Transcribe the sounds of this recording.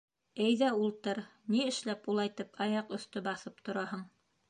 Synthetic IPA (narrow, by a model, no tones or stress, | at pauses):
ɘjðæulˠt̪ɤɾniɘ̆ʃlæpulˠɑjt̪ɤpʰɑjɑqɵ̆θt̪ɵbɑθɤp̚t̪ŏɾɑhɤɴ